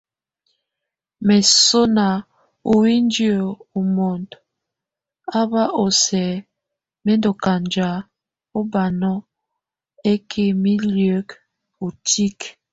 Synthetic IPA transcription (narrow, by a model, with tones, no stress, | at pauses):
mɛ˨so˦na˨ | o˨wi˦n˦djo˨o˨mo˨nd | a˦ba˦ʔo˨sɛ˨ | mɛ˦ndo˨ka˨nd͡ʒa˨˦ | o˦ba˨nɔ˦ | e˦kʰe˦mi˦ljø˦k | o˨ti˦k